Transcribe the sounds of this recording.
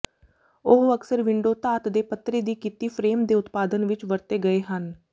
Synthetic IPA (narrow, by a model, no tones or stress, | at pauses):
ʊɦəksəɾʋɪɳɖoːt̪aːt̪d̪eːpət̪ɾeːd̪iːkiːt̪iːpʰɾeːmd̪eːʊt̪paːd̪ənʋɪt͡ʃʋəɾt̪eːɡəeːɦən